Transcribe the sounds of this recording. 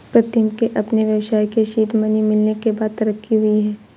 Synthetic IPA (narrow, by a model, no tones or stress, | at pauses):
pɾɐt̪jəmkeʔɐpneʋjɐʋwʃaːikeʃiːʈ̪mɐnimɪlnekebaːd̪̚t̪ɐɾəkʰːiɦʊiɦɛː